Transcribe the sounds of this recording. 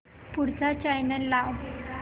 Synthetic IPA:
puɽt͡sat͡ɕajnəlːaw

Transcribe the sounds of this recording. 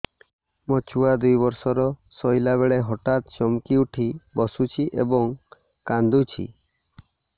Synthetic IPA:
mɔt͡ʃʰuad̪ujbɔɾsɔɾɔsɔjlaβeɭeɦɔʈat̪̚t͡ʃɔmkiuʈʰibɔsut͡ʃʰiʔḛbɔŋ | kand̪ut͡ʃʰḭ

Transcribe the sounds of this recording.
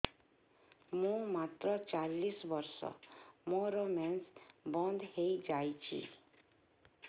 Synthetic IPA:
mũmat̪ɾɔt͡ʃalːisbɔɾsɔ̰mɔ̃ɾɔmɛnsbɔnd̪ʱhejd͡ʒajt͡ʃʰḭ

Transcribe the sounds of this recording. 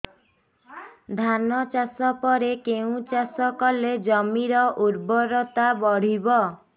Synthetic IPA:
d̪ʱanɔt͡ʃasɔpɔɾekeũt͡ʃasɔkɔled͡ʒɔmiɾɔʔuɾbɔɾɔt̪abɔɽ̤ibɔ

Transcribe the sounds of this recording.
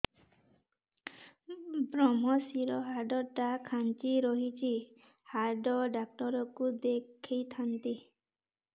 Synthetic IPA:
bɾɔmɔsiɾɔɦaɾɖɔʈakʰant͡ʃiɾɔɦit͡ʃʰi | haɖɔɖak̚ʈɔɾɔkud̪ekʰijt̪ʰant̪i

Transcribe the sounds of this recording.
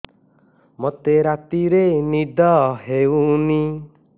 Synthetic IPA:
mot̪eɾat̪iɾenid̪ʱɔɦeuni

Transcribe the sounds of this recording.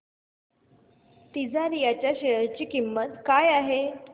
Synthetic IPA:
t̪id͡zaɾijat͡ɕjaɕeɭəɾt͡ɕiːkimːət̪kajaɦe

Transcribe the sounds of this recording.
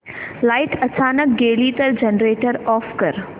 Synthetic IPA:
laːɪʈɐt͡ɕaːnək̚ɡeːliːt̪ɐɾd͡ʑenɾeːʈəɾɔːfkɐɾ

